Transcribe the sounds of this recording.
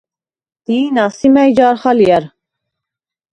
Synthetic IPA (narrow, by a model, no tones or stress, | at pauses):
d̪̥iːnɑsimɛjd͡ʒɑɾχɑliɛɾ